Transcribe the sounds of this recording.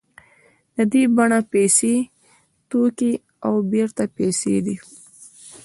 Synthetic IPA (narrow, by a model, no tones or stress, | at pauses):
d̪əd̪ibaɳapese | t̪oki | awbeɾt̪apesḛd̪i